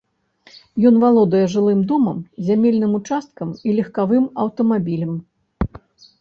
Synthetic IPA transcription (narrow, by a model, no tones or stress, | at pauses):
jɔn̪valˠɔd̪ɐjɛʐɨlˠɨmd̪ɔmɐmzʲamʲɛlʲnɨmut͡ʂast̪kɐmilʲɛxkavɨmɐwt̪ɐmabʲilʲɐm